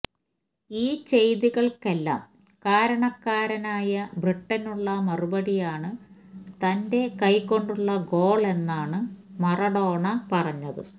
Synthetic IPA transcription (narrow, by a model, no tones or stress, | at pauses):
iːt͡ɕe̞jðiɣɐɭke̞lːa̰ːm | kaːɾɐɳɐkːaːɾɐnaːjɐbriʈːɐnuɭːɐmɐrubɐɽijaːɳɨt̪ɐnde̞kɐjkːo̞ɳɖuɭːɐɡo̞ːɭe̞nːaːɳɨmɐrɐɽo̞ːɳɐpɐrɐɲːɐðɨ